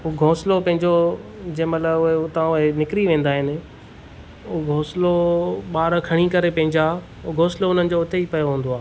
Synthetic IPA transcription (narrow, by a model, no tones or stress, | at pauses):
ɦʊɡʱoːslopɐ̃ɦɪ̃ɲd͡ʑod͡ʑɐ̃ːɪ̃mɐt̪ləbʊɦeʊt̪ãʊɦenɪkɾiʋẽːn̆d̪aːɦɪnɪ̆ | ʊɡʱoːsloɓaːɾkʰɐɽ̃ikɐɾepɐ̃ɦɪ̃ɲd͡ʑa | ʊɡʱoːsloʊn̤ənɪ̆d͡ʑoʊt̪eipɐjoɦũːn̆d̪oaː